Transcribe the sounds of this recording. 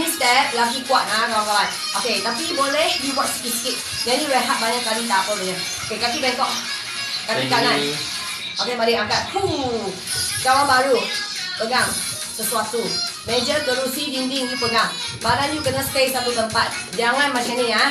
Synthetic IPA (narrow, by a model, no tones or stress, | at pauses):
nist̪ɛp̚laɡikuat̪̚akawankawan | ʔoket̪apibolɛhjubat͡ʃ̚sə̥kitsə̥kit̪̚ | jajiɾəɦat̪̚baɲakaɾit̪apəbəɲa | okekakibɛkɔʔ | kanik̪anan | ʔokemadiʔaŋkat̪̚hu | kawanbaɾu | pəɡam | səsuat̪umed͡ʒəkəɾusidindiŋjupəɡambadanjukənaspejsat̪ut̪əmpat̪̚d͡ʒaŋãnmat͡ʃania